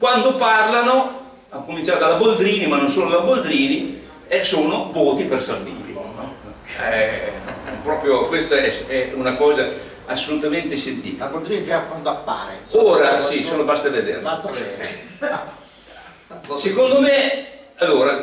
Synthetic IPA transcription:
kwand̪oparlano | akːomint͡ʃaɾed̪alabold̪ɾiːnimanːonsoːlolabold̪ɾiːni | ɛsoːnovoːt̪ipersalvḭːt̪ḭnɔ | pːɾɔpɾjokwest̪oɛɛunakɔːza | asːolut̪ament̪esent̪ḭabold̪ɾiniɛakwand̪oapːa̰ɾeoːɾasisolobast̪aved̪ḛːɾaaɛ | sekond̪ome | alːoːɾa

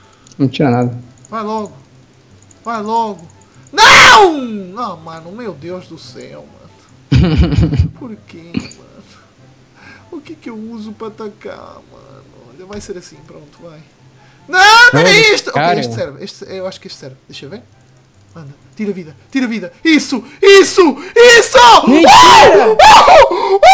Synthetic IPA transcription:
nɐ̃w̃t̪iɾɐnaðɐ | vajlˠɔɣu | vajlˠɔɣu | nɐ̃w̃amɐ̃numewðewʒðusɛ̰wmɐ̰̃nu | puɾkemɐ̰̃nu | ukɛkewuzupɾɐːt̪ɐka̰ɾmɐ̰ɐ̰̃nuɔ̰ʎɐvajseɾɐsĩpɾõnt̪uvaj | nɐ̃w̃nɐ̃eʃt̪okejeʃt̪sɛɾvɨeʃt̪ewaʃu̥keʃt̪sɛɾvd̪ejʃɐvẽ | mɐ̃nd̪ɐt̪iɾɐviðɐt̪iɾɐviðɐisu | isuisɔ̃

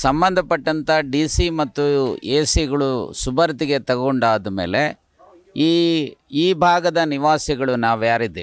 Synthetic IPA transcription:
sɐmbɐnd̪ʱɐpɐʈːɐnt̪ʰɐɖiːsimɐt̪ːueːsiɡɐɭusubʱɐɾt̪iɡet̪ɐɡoɳɖaːd̪ɐme̞̰ːle̞ | iːiːbʱaːɡɐd̪ɐniʋaːsiɡɐɭunaːʋjaːɾid̪ːe

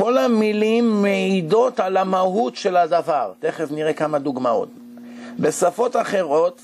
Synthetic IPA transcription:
ko̞lamilimːeido̞talamahutʃe̞ladavaʁt̪e̞χevniʁekamad̪uɡmao̞̰t̚ | be̞safo̞taχe̞ʁo̞t̪

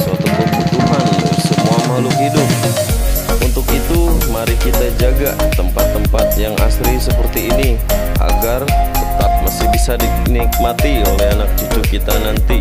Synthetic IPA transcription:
sat̪ukəbut̪uɦansəmuamaluɦidʊp̚ | unt̪ʊkit̪umaɾikit̪ad͡ʒaɡat̪əmpat̪ːəmpat̪̚jaŋa̰sɾisəpərt̪iːnia̰ɡart̪ət̪ap̚masɪhbisadinik̚mat̪iolɛɦanak̚t͡ʃut͡ʃ̪ʊkit̪anant̪i

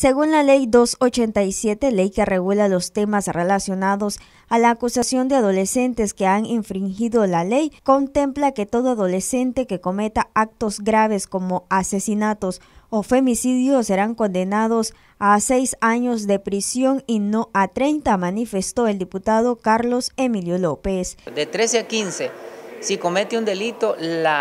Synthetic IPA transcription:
se̞ɣunlale̞jd̪o̞sot͡ʃe̞nt̪ajsje̞t̪e̞le̞jkere̞ɣulalo̞st̪e̞masrelasjo̞naðo̞s | alaːkusasjo̞nd̪eaðo̞le̞se̞nt̪e̞skeaŋeɱfɾiŋxiðo̞lale̞jko̞nt̪e̞mplake̞t̪o̞ðoaðo̞le̞se̞nt̪e̞ke̞ko̞me̞t̪aak̚t̪ozɡɾaβ̞e̞sko̞mo̞ase̞sinat̪o̞sofe̞misiðjosːe̞ɾaŋko̞nd̪e̞nað̞o̞s | ase̞jsaɲo̞zd̪e̞pɾisjo̞ŋino̞ʔat̪ɾe̞jnt̪amanife̞st̪o̞e̞ld̪iput̪að̞o̞kaɾlo̞se̞miljo̞lo̞pe̞sd̪et̪ɾeseakinsesiko̞met̪eund̪elit̪ola

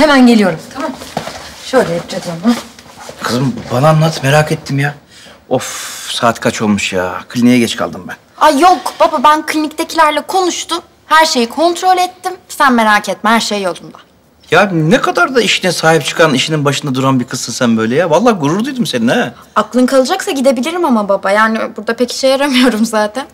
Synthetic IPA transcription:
hemænɟe̞lʲijo̞ɾumt̪ʰamamʃøjlʲɛɦɛp̚t͡ʃʰed̪ianakʰɯzɯmbananːˠat̪ʰmeɾaːkʰet̪ʰːimja | ofsaːt̪kʰat͡ʃʰo̞lˠmuʃja̰ːkʰlʲinijɛɟɛt͡ʃkʰa̰lˠd̪ɯmbænajokb̥ababænkʰlʲinic̚t̪ʰecʰilʲæɾlʲɛkʰo̞nuʃt̪ʊm | hæɾʃe̞jikʰo̞nt̪ɾo̞lʲɛt̪ːimsænme̞ɾaːcʰet̪̚ːmhæɾʃejːolˠd̪umd̪ḁ | janekʰad̪aɾd̪aiʃinɛsaːɦip̚t͡ʃʰɯ̥kʰaniʃininbaʃɯnd̪ad̪uɾanbikʰɯsɯsænbø̞jlʲɛjavalˠːaːɡuɾuɾd̪ujd̪umse̞ninɛ | aklˠɯnkʰalˠɯd͡ʒaksaɟid̪e̞bilʲiɾimamababajaːnibuɾd̪apeci̥ʃɛjaɾamɯjo̞ɾumzaːt̪ʰæn

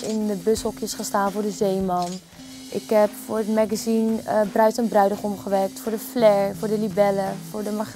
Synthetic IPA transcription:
ɪndəbɵshɔkjəsχəstaːnvʊːɹdəzejmɑn | ʔɪkɦɛpfʊːɹətmaɡazinbrœɥtənbrœɥdəχɔmχəʋɛrk̚tfʊːɹdəflɛɹfʊːɹdəlibɛləfʊːɹdəma

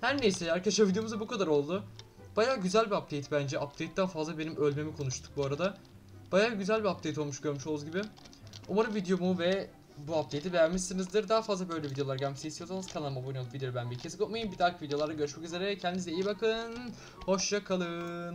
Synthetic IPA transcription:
hæɾnejisɛaɾkaʃavid̪ejo̞muzabukʰad̪aɾo̞lˠd̪ʊ | b̥ajaːɟyzælʲbiap̚d̪ejt̪ʰbænd͡ʒɛʔap̚t̪ʰejt̪̚d̪aːfazlˠabe̞nimʔølʲme̞mikʰo̞nuʃt̪ʰu̥k̚buaɾad̪a | b̥ajaːɟyzælʲbiap̚d̪ʰejt̪̬ʰo̞lˠmuʃɟø̞ɾmyʃolˠuzɟibɪ | omaɾɯvid̪ejo̞muvɛ | buap̚t̪ʰejt̪ʰibejæmmiʃsinizd̪ɯɾd̪aːafazlˠabø̞jlʲɛvid̪ejo̞lˠaɾɟamsest̪ʰijosanɯz̥kʰalˠamabonij̪ˠvid̪eobænbiɾcʰesi̥komajɯmbid̪aːkʰɯvid̪ejoaɾd̪aɟø̞ɾyʃmɛcyze̞ɾɛcʰɛnd̪izeijibakʰɯn | ho̞ʃjakʰalˠɯn

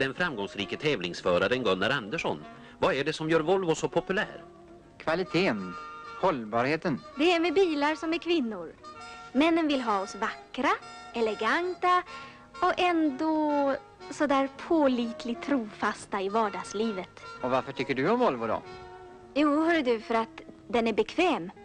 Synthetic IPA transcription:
d̪ɛnfɾamɡɔŋsɾiːkət̪ʰɛːvlɪŋsfœːɾaɾənɡɵnːaɾand̪əʂɔ̰n | vaæɖɛsɔmjœːɾvɔlvʊsɔpʰɔpɵlæ̰ːɾ | kʰvalɪt̪ʰeːnhɔlbɑːɾheːt̪ənd̪ɛæɾmɛbiːlaɾsɔmæɾkʰvɪnːʊɾmɛnːənvɪlɦɑːɔsvakːɾaɛlɛɡant̪a | ɔkɛnd̪ɔ | sɔd̪æːɾpʰoːliːt̪ʰlɪt̪ʰːɾuːfast̪aɪvɑːɖɑːɡsliːvət̪ɔvaɾfœʈʰʏkːəɖɵɔmvɔlvʊd̪ɔ̰ | juːhœːɖəd̪ɵfœɾat̪d̪ɛnæbɛkʰvɛːm

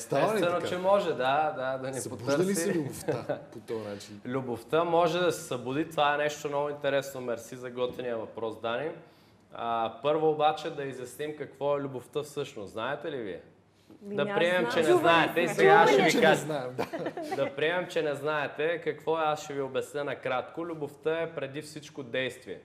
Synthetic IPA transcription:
st̪aɐɛnot͡ʃɛmɔʒɛd̪ad̪ad̪ɐnɛpot̪ɾsliiluboftapot̪ɔnat͡ʃinlʲuboft̪əmɔʒɛd̪ɐsɛ̥sɐbʊd̪it̪ovaɛnɛʃt̪omnɔɡʊint̪ɛɾɛsnomɛɾsizɐɡɔt̪vɛniəvɐpɾɔsd̪anin | əpɤɾvoːbat͡ʃɛd̪ɐizjɐsnimkɐkvɔɛlʲʊboft̪əfsɤʃnosznaɛt̪ɛlivḭɛ̰ | d̪ɐpɾiɛmɛmt͡ʃɛnɛnnaɛt̪ɛisɛɡaʃɛviknaɛmd̪ad̪ɐpɾiɛmɛmt͡ʃɛnɛznaɛt̪ɛkɐkvɔɛasʃɛviobɛsnʲənɐkɾat̪kolʲuboft̪əɛpɾɛd̪ifsit͡ʃkod̪ɛjst̪viɛ̰

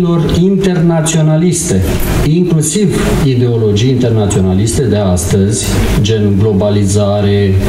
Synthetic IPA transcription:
lo̞rint̪e̞rnat̪sio̞nalist̪e̞ | iŋklusiv | id̪e̞o̞lo̞d͡ʒijint̪e̞rnat̪sio̞nalist̪e̞d̪e̞ast̪əzʲd͡ʒe̞nuɡlo̞balizaɾe̞

